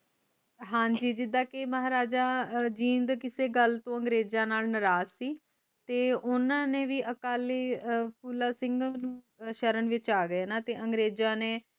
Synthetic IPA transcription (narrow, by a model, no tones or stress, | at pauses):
ɦãːɲd͡ʒiːd͡ʒɪd̪ãːkeməɦaːɾaːd͡ʒaːd͡ʒĩːnd̪kɪseːɡəlt̪õːəŋɡɾeːd͡ʒãːnaːlnɪɾaːzsiː | t̪eːʊnãːnẽːʋiːʔəkaːliːpʰuːlaːsɪ̃ŋɡñː | ʃəɾənʋɪt͡ʃaːɡəeːnaːt̪eːʔəŋɡɾeːd͡ʒãːneː